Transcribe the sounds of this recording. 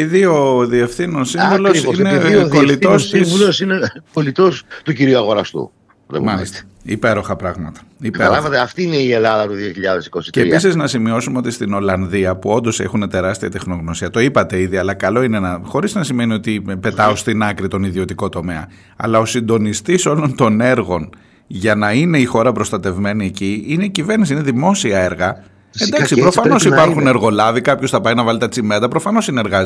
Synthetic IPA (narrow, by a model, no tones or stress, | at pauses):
iðio̞ðie̞fθinonsiɱvulosiisneolit̪osisulosinekolit̪ost̪uciɾiuɐɣo̞ɾɐst̪ṵ | ðḛmɐlist̪ | ipe̞ɾo̞xɐpɾɐɣmɐt̪ɐ̥ipeɐlɐɐt̪eɐft̪iineielɐðɐt̪uðioçiʎɐðesi̥kosi̥ceːɾiisiznɐsimiosumeo̞t̪ist̪ino̞lɐnðiɐpuo̞nd̪o̞se̞xune̞t̪e̞ɾɐst̪iɐt̪e̞xno̞ɣno̞siɐt̪o̞ipɐt̪e̞iðiɐlɐkɐlo̞inenɐxo̞ɾiznɐsime̞nio̞t̪ipe̞t̪ɐost̪inɐkɾit̪o̞niðio̞t̪iko̞t̪o̞me̞ɐ̰ | ɐ̰lɐo̞sind̪o̞nist̪iso̞lo̞nt̪o̞ne̞ɾɣo̞n | ʝɐnɐine̞ixo̞ɾɐpɾo̞st̪ɐt̪e̞vme̞nie̞ciine̞iciveɾnis̬iineðimo̞siɐe̞ɾɣɐ | end̪ɐksipɾo̞fɐno̞sipɐɾxune̞ɾɣo̞lɐvikɐpço̞sθɐpɐinɐvɐlit̪ɐt͡sime̞t̪ɐpɾo̞fɐno̞sineɾɣɐz